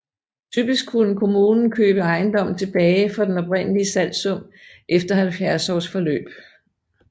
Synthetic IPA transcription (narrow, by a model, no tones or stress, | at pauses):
t͡sʰyb̥isɡ̥̚kʰːunəkʰo̝muːnn̩kʰø̰ːb̥əɑ̈ɪnd̥ɒ̽m̰n̩t͡sʰe̝b̥ɛːɪfɑd̥enɒ̽bʁen̰əliəsæl̰̥sɔ̽m̰ʔefd̥ɐhælfjæɐsɒ̰ːsfɒ̽lø̰ːb̥